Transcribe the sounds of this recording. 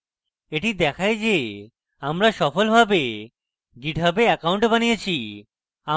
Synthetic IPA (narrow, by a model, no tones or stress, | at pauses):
eʈid̪ɛkʰaed͡ʑe | amɾaʃɔfolbʱabe | ɡiʈbʱabeɛkauɳʈbanijet͡ɕʰi | a